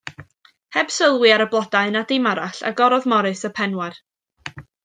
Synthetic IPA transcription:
hɛb̥səlˠwɨaɾəblˠɔdaɨnadɪmaɾaɬa̰ɡɔɾɔðmɔɾɨsəpʰɛnwɛr

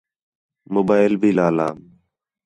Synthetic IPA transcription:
moːbaːɪlbʱiːlaːla̰ːm

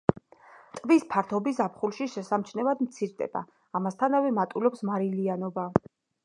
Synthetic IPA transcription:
t̪ʼvispʰaɾt̪ʰɔbisapχulˠʃiʃɛsamt͡ʃʰnɛvad̪mt̪sʰiɾd̪ɛ̰b̥a̰ː | mast̪ʰanavɛmat̪ʼulɔpsmaɾilianɔba

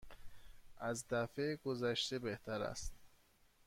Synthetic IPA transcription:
ʔæzd̪æfeɡozæʃt̪ebeht̪ʰæɾæ̰st̪

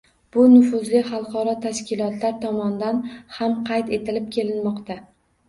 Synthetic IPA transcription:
b̥ʊnʊfʊzlɪχɑlˠqɒɾɒt̪ʰaʃkʲɪlˠɒt̪ʰlaɾt̪ʰɒmɒnd̪anhamqʰɑjt̪e̞t̪ʰɪlɪp̚kʲʰe̞lɪnmɒqt̪a

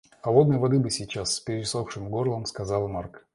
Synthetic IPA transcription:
ɐlˠod̪nəjvɐd̪ɨbɨsʲɪt͡ɕasːpʲɪɾʲɪɪsofʂɨmɡo̞rlˠəmskɐzɑlˠmark

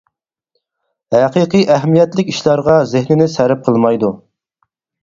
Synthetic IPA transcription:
hæqiqɨjʔæɦmijɛt̪lɪkʲiʃlˠɑɾʁɑzɪhnɪnɪsæɾɛp̚qʰəlˠmɑjd̪u

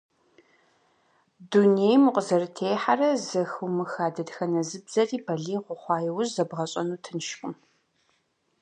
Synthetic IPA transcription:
dunejmɨqʷʼəzɐrɨtʰejħarɐzɐxumɨxaːdɐdxɐnɐzɨbz̥ɐrʼiːbɐɮiːʁʷʊχʷɑːjɛwʊzzɐbʁɐɕʼɐnuːtʰɨnʃxʼʊm

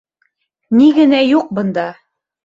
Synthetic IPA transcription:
niɡɘ̆næjuq̚bɤ̆nd̪ɑ

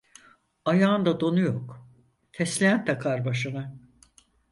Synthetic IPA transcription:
ajaːnd̪ad̪o̞nujok | t̪ʰɛslʲejænt̪ʰakʰaɾbaʃɯna

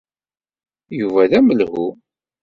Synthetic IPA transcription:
juvæðæməlhu

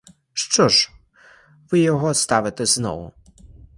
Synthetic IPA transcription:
ʂt͡ʂɔʂ | vɨjɔɣɔst̪avʲɪt̪ɛznɔ̰wʊ̰

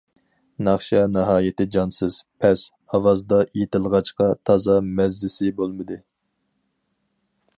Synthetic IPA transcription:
nɑχʃɑnɑɦɑːjɪt̪ɪd͡ʒɑnsɨz̥pʰɛs | ɑwɑzd̪ɑjet̪ɪlˠʁɑt͡ʃqɑt̪ʰɑzɑmɛzlɪsɪbolˠmɨd̪ɨ

